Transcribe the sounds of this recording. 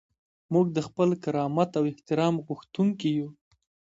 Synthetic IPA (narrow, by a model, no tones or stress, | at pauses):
muɡ̚d̪əxpəlkaɾɑmat̪awɪht̪ɪɾɑmɣuxt̪uŋkiju